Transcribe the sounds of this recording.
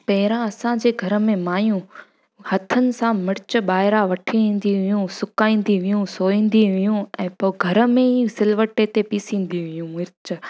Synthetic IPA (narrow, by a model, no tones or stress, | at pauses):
pɐɦɪɾãɐsãd͡ʑeːɡʱɐɾə̆mẽmaːjũ | hɐt̪ʰənɪ̆sãmɪɾɪt͡ɕə̆baːɦɪɾaʋɐʈʰiĩːn̆d̪iʋijũsʊkaːĩːn̆d̪iʋijũsoːĩːn̆d̪iʋijũɛ̃ːpoɡʱɐɾəmẽisɪlʋəʈet̪epiːsĩːn̆d̪iʋijũmɪɾɪt͡ɕə̆